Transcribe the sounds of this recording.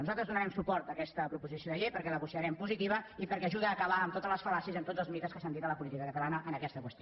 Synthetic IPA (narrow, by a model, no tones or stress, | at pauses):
nuzalˠt̪ɾəzðunəɾɛmsupɔɾt̪əkɛst̪əpɾupuzisioðəʎejpəɾkɛləɣusiəɾɛmpuzit̪iβ̞əipəɾkɛːʒuðəːkəβaəmt̪ot̪ələsfəlasizəmt̪od͡zzəlˠzmit̪əskəsand̪it̪ələpulit̪ikəkət̪əlanəʔənəkɛst̪əkwəst̪io